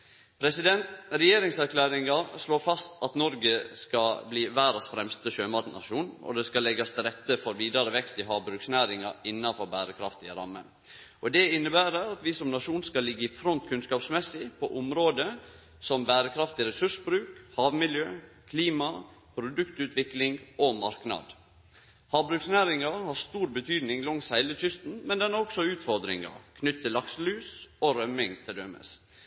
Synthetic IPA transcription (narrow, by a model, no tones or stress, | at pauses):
pʰɾɛsɪd̪ɛnt̪ɾɛjeːɾɪŋsæɾkʰlæːɾɪŋɑɾsloːɾfɑst̪ɑt̪nɔɾɡəskɑbliːʋæːɾɑsfɾɛmst̪əʃøːmɑt̪nɑ̰ʂuːnɔ̰d̪ɛskɑlɛɡɑst̪ʰɪlɾɛt̪ːəfɔɾʋiːd̪ɑɾəʋɛkst̪ɪɦɑːʋbɾʉksnæːɾɪŋɑ̰ɾɪnːɑfɔɾbæːɾəkʰɾɑ̰ft̪ɪ̰ɾɑ̰mːə̰n | ʔɔd̪ɛɪnːəbæːɾəɑt̪ʋɪsɔmnɑʂuːnskɑlːɪɡːəɪfɾɔnt̪kʰʉnskɑːpsmɛsːɪpʰɔʔʊmɾoːd̪ə | sɔmbæːɾəkʰɾɑft̪ɪɾɛsʉʂbɾʉːkhɑːʋmɪljøː | kʰliːmɑ | pʰɾʊd̪ʉkt̪ʉːt̪ʰʋɪklɪŋɡomɑɾknɑ̰d̪ | hɑːʋbɾʉːksnæːɾɪŋɑhɑɾst̪uːɾbət̪ʰyːd̪nɪŋlɔŋsæɪləçʏst̪n̩mɛnd̪ɛnɑɾɔksɔʉːt̪fɔɾd̪ɾɪ̰ŋɑ̰ɾkʰnʏt̪t̪ʰːɪlːɑkslʉːsoɾœmɪŋt̪ʰɪld̪œmə̰s